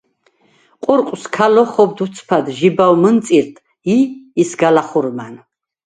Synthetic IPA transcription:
qʼuɾqʼskʰalɔχɔbd̪ut̪sʰpʰad̪ʒibawmənt̪sʼiɾt̪ʰʼ | iːsɡalaχuɾman

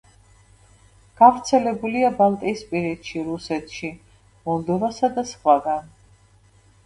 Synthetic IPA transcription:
ɡ̥avɾt̪sʰɛlɛbuliabalˠt̪ʼiːspʼiɾɛt̪ʃiɾusɛt̪ʰʃi | mɔlˠd̪ɔvasad̪asχwaɡan

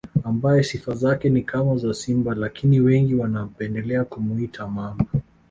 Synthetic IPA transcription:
ambajɛsifazakɛnikʰamazasimbalakiniwɛŋɡiwanapɛndɛlɛakumuitʰamambaa

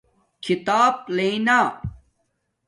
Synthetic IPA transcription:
kʰit̪aːb̚leĩnaː

